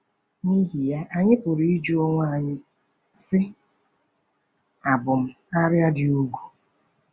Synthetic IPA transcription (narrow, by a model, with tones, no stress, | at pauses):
ni˦ɦi˨ja˦ʔa˨ɲɪ˦pʊ˨ɾi˦i˦d͡ʒu˦o˦ŋʷa˦a˦˨ɲɪ˦ | sɪ˦ | a˨bʊ˨m̩˦ | a˦ɾja˦dɪ˨u˦ɡʷu˨